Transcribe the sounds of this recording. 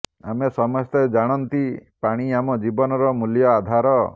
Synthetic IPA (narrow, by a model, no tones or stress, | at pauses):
a̰mesɔmɔst̪ed͡ʒaɽ̃ɔnt̪ipaɽ̃iamɔd͡ʒibɔnɔɾɔmuljɔad̪ʱaɾɔ